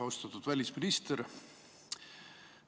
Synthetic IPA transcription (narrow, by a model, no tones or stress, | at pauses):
ɑost̪ɑt̪ːud̪̥vælʲisminist̪eɾ